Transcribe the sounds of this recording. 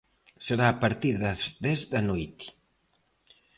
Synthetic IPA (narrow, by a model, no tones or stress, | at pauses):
səɾaːpəɾt̪iɾðəzd̪ɛzd̪ɐnujt̪